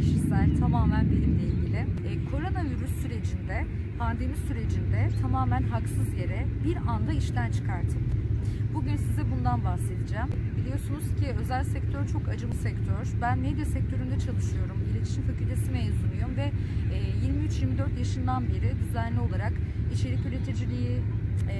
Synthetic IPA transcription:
cʰiʃisælʲt̪ʰamaːmænbilʲimlʲeilʲɟilʲɪkʰo̞ɾo̞naviɾysːyɾe̞d͡ʒind̪ɛ | pʰand̪e̞misyɾe̞d͡ʒind̪ɛt̪ʰamaːmænɦaksɯzje̞ɾɛbiɾand̪aiʃt̪ænt͡ʃʰɯ̥kʰaɾt̪ʰɯmbuɟynsizɛbund̪anbaxse̞d̪id͡ʒaːmbilʲijo̞sunuz̥cʰiø̞zælʲsɛct̪ʰøɾt͡ʃʰo̞kad͡ʒɯmɯsɛct̪ʰøɾ̥bænmed̪jasɛc̚t̪ʰø̞ɾynd̪ɛt͡ʃʰalˠɯʃɯjo̞ɾumilʲet̪ʰi̥ʃimfacylʲt̪ʰe̞simejzunˠujomvɛː | jiɾmiyt͡ʃjiɾʲmid̪øɾt̪jaʃɯnd̪anbiɾid̪yzænlʲio̞lˠaɾakit͡ʃʰe̞ɾicʰylʲit̪ʰed͡ʒilʲiji

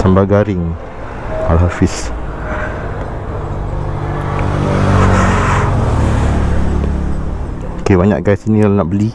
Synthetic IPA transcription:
sambaɡaɾɪŋ | alɦafis | okebaɲa̰ʔɡajsinĩlanaʔbəli

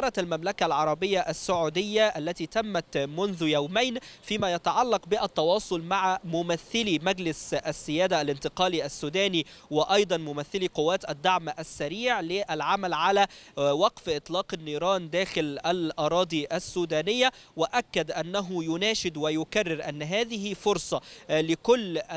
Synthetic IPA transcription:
ɾˤɑt̪almamlakalʕɑɾˤɑbɪjːaʔasːʊʕuːd̪ɪjːaʔalːæt̪iːt̪amːat̪mʊnðʊjawmajnfiːmæːjæt̪aʕɑlːɑqbɪʔæt̪ːɑwɑːsˤʊlmaʕamʊmaθːɪlimæɡlɪsʔasːɪjæːd̪aʔːlɪnt̪ɪqɑːliʔasːuːd̪æːniwɪʔɑjd̪ˤɑnmʊmaθːɪliqʊwːæːt̪ʔad̪ːaʕmʔasːaɾiːʕlɪʔalʕamalʕalæwɑqfʔɪt̪ˤlɑːqanːiːɾˤɑːnd̪æːxɪlʔalʔɑɾˤɑːd̪ˤiʔasːuːd̪æːnɪjːawɪʔakːad̪ʔanːaɦʊjʊnæːʃɪd̪wɪjʊkarːɪɾʔa̰nːɦæːðɪɦifʊɾsˤɑlɪkʊlː

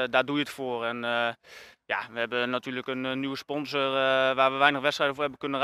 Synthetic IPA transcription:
daːdujəətfoːrɛn | jaʋəɦɛbənatyːləkənːyʋəspɔnzərʋaːrʋəʋɛjnəxʋɛtstrɛjdəfoːɹɦɛbənkɵnər

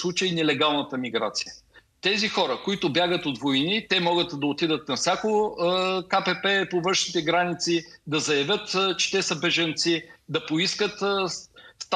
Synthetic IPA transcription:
slˠut͡ʃəinɛlɛɡalˠnət̪əmiɡɾa̰t̪si̥jət̪ɛzixɔɾəkoit̪ʊbjaɡət̪ot̪vojnit̪ɛmɔɡət̪d̪ɐot̪id̪ət̪nɐfsʲjakoəkapɛpɛpovɤ̃nʃnit̪ɛɡɾanit̪sid̪ɐzɐjɐvʲət̪t͡ʃɛ̥t̪ɛsɐbɛʒɐnt̪sid̪ɐpoiskət̪ | st̪

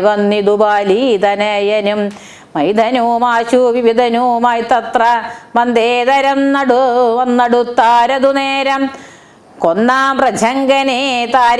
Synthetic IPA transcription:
ʋɐnːid̪ubaːlid̪ɐnɐjɐnim | mɐjd̪ʱɐnuːmaːɕuʋiʋid̪ʱɐnuːmaːjt̪ɐt̪rɐmɐnd̪eːd̪ɐɾɐmnɐɽuʋɐnːɐɽut̪ːaːɾɐd̪uneːɾɐm | konːaːmpɾɐd͡ʒʰʱɐŋɡɐnet̪aːɾ

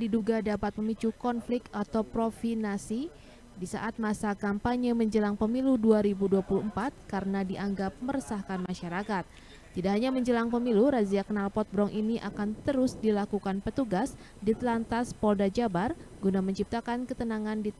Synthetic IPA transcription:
diduɡadapat̪̚məmit͡ʃukɔnflɪk̚t̪at̪awpɾofinasi | disa̰ʔat̪̚masakampaɲəməɲd͡ʒəlaŋpəmiluduaɾibuduapuluəmpat̪̚kaɾənadiʔaŋɡap̚məɾəsahkanmaʃaɾakat̪̚ː | idaʔɦaɲaməɲd͡ʒəlaŋpəmiluɾaziakənalpɔt̪̚bɾɔŋʔiniʔa̰kant̪əɾʊsdilakukanpət̪uɡas | diat̪lant̪aspɔldad͡ʒabarɡunaməɲt͡ʃip̚t̪akankət̪ənaŋandi

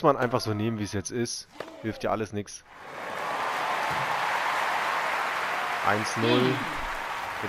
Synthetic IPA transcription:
smanʔaɪnfaχz̥oːneːmənviːsjɛt͡stɪsthɪlftʰjiːɐʔaləsnɪks | ʔa̰ɪnsnʊl

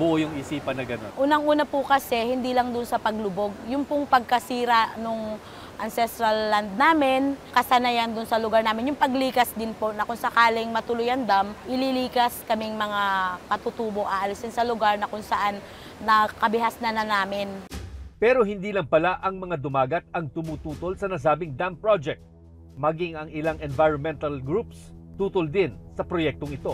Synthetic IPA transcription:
bʊʔojʊŋɪsiːpɐnːɐɡɐno̰ʔuːnɐŋʔuːnɐpʊkɐsɛhɪnd̪iːlɐŋd̪ʊnsɐpɐɡlʊbo̞ɡ̚jʊŋpʊŋpɐɡ̚kɐsiːɾɐʔnoŋ | ʔɐnsɛst̪ɾɐlːand̪̚naːmɪnkɐsɐnɐjand̪ʊnsɐlʊɡaɹnaːmɪnjʊŋpɐɡliːkɐsd̪ɪnponɐkʊŋsɐkaːlɪŋmɐt̪ʊlʊjɐnd̪amʔɪliliːkɐskɐmɪŋmɐŋakɐt̪ʊt̪uːbo̞ʔɐʔɐlɪsɪnsɐlʊɡaɹnɐkʊŋsɐʔanː | ɐkɐbɪɦasnɐnɐnaːmɪnpɛːɾo̞ɦɪnd̪iːlɐŋpɐlaʔɐŋmɐŋad̪ʊmaːɡɐt̪̚ɐŋt̪ʊmuːt̪uːt̪o̞lsɐnɐs̬aːbɪŋd̪ampɹod͡ʒɛk̚t̪̚ | mɐɡiŋɐŋɪlaŋɛnvajɹonmɛnt̪ɐlɡɾupst̪uːt̪old̪ɪnsɐpɾojɛk̚t̪oŋɪt̪o̞

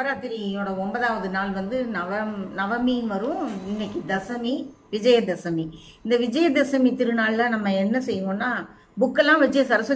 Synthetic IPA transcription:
ɐɾaːt̪ːɪɾinoːɽɐɔmbɐðaːʋɐðɯnaːlʋɐnd̪ɯnɐʋɐnɐʋɐminʋɐɾʊ̃ɪnːɛkːɯd̪ɐsɐmi | ʋɪd͡ʒɐjɐd̪ɐsɐmi | ɪnd̪ɐʋɪd͡ʒɐjɐd̪ɐsɐmit̪ɪɾɯnaːllãːnɐmːɐɛnːɐsɛjːɯŋɡõːnːaː | bʊkːɐlːãːʋɐt͡ʃːɐjɐsɐɾɐsɯ

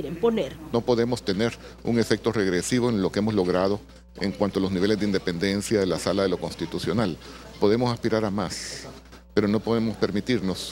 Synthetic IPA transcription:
ɾemponeɾno̞po̞ðe̞mo̞st̪e̞ne̞ɾṵŋe̞fe̞k̚t̪o̞re̞ɣɾe̞siβo̞enlo̞keemo̞zlo̞ɣɾað̞o̞ | ḛŋkwant̪oalo̞zniβe̞lezd̪eind̪e̞pe̞nd̪e̞nsjaðe̞lasalaðe̞lo̞ko̞nst̪it̪usjo̞nalpo̞ð̞e̞mo̞saspiɾaɾamas | pe̞ɾo̞no̞po̞ðe̞mo̞spe̞ɾmit̪iɾno̞s

